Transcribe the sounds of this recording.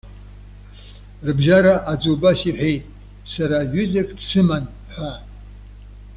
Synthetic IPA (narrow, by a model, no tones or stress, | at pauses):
rbʒaɾaʔad͡zubasiħʷᶣejtʼ | saɾaɥᶣʏzekʼdsɨman | ħʷa